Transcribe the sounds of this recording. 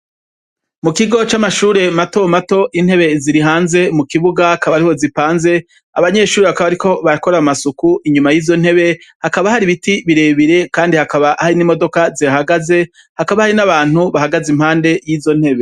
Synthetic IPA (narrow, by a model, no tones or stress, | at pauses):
mukiɡo̞t͡ʃamaʃuːɾe̞mato̞mato̞ʔin̥he̞βe̞ziɾiɦaːnze̞mukiβuɡakaaɾiho̞zipaːnze̞ | a̰βaɲe̞ʃuːɾeβakaβaɾiko̞βaɾako̞ɾamasukuʔiɲumajiːzo̞n̥he̞βe̞hakaβahaɾiβitiβiɾe̞ːβiɾe̞kaːndihakaβaʔahaɾinimo̞do̞kaziɾahaɡaze̞ | hakaβahaɾinaβaːn̥huβahaɡazim̥haːnde̞jiːzo̞n̥he̞βe